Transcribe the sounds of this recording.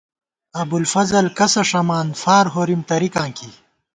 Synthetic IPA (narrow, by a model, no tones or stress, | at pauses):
ɐbulfɐzɐlkɐsɐʂɐmaːnfaːɾɦoːɾimt̪ɐɾikãːŋki